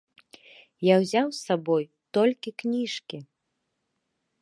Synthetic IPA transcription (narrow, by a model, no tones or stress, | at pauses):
jawzʲawsabɔj | t̪ɔlʲkʲiknʲiʂkʲi